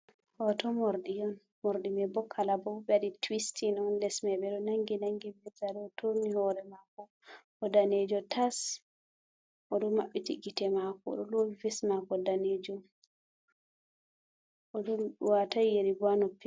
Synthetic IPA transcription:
hɔtɔmoɾdijɔn | moɾdimɛbɔkʰːalabɔbɔbɛaditwistinɔnlɛsmɛbɛɗɔnaŋɡinaŋɡimɛzaɾɛɔtomihɔɾɛmakɔ | ɔdaned͡ʒɔtʰas | ʔɔɗɔmaɓːitiɡitɛmakɔ̰ɗɔloivɛsmakɔdaned͡ʒɔ | ɔɗuwatajjeɾibanɔpːi

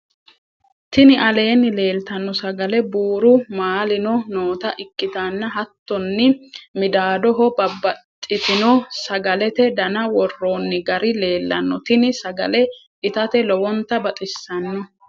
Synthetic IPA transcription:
t̪ɪnɪʔɐle̞ːnːɪle̞ːlt̪ɐnːɔsɐɡɐlɛbuːɾʊmaːlɪnɔnoːt̪ɐʔɪkːɪt̪anːɐɦɐt̪ːɔnːɪmɪd̪aːd̪ɔɦɔbɐbɐtt̪ʼːɪt̪ɪnɔsɐɡɐlɛt̪ɛd̪ɐnɐwɔrːoːnːɪɡɐɾɪle̞ːlːɐnːɔt̪ɪnɪsɐɡɐ̰lɛ | ɪt̪ɐt̪ɛlɔwɔnt̪ɐbɐt̪ʼɪsːɐnːɔ

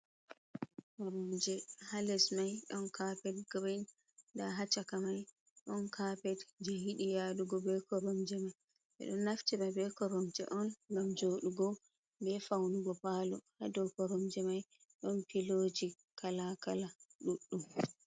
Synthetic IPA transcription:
kɔɾɔmd͡ʒɛhalɛsmajɗɔnkapɛd̚ɡban | daɦat͡ʃakamaj | ɗɔnkapɛdd͡ʒehiɗijaɗuɡɔbɛkɔɾɔmd͡ʒɛmaj | ʔɛ̰ɗɔnːaftibabɛkɔɾɔmd͡ʒɛ̰ʔɔnɡamd͡ʒoːɗuɡɔ | bɛfawnuɡɔpaːlɔhadɔkɔɾɔmd͡ʒɛmaj | ɗɔnpiloːd͡ʒi | kalakalaɗuɗːum

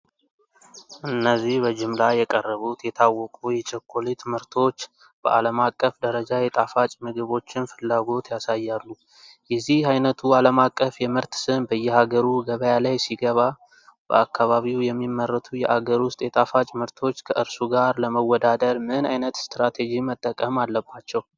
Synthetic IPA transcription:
ʔɨnːəzːihbəd͡ʒɪmlajɛkʼərːəβut̪jɛt̪ʰawːɔkʼujɛt͡ʃɛkʰːolit̪mɨɾt̪ʰo̞t͡ʃː | b̥ə̰ʔa̰ləmakʼːəfd̪əɾəd͡ʒajɛt̪ʼafat͡ʃʼmɨɡɨβo̞t͡ʃːɪnfɨlːaɡo̞t̪jasajːalːu | jɛzːihajnət̪ʰualəmakʼːəfjɛmɨɾt̪sɨnbəjːɛhaɡəɾuɡəβəjalajsiɡəβa | b̥ə̰akːaβaβiwjɛmːimːərːət̪ʰujɛʔaɡəɾwʊst̪ʼjɛt̪ʼafat͡ʃʼmɨɾt̪ʰo̞t͡ʃːkʰəʔɨɾsuɡaɾləməwɔd̪ad̪əɾmɨna̰jnət̪st̪ɾat̪ʰed͡ʒimət̪ʼːəkʼəmalːəbat͡ʃːɛw

